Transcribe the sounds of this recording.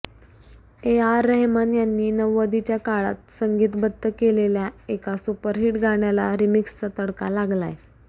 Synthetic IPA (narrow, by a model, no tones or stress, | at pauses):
eaɾːəɦmanjanːiːnəʋːəd̪it͡ɕjakaɭa̰t̪̚səŋɡiːt̪bəd̪ːəkeleljaekasupəɾɦiʈɡʱaɳjalaɾimiksːət̪əɽkalaɡla̰j